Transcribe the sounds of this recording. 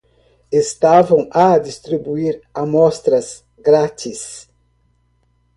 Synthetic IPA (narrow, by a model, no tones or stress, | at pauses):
est̪avɐ̃wad̪ist̪ɾibuiɾamɔst̪ɾɐz | ɡɾat̪is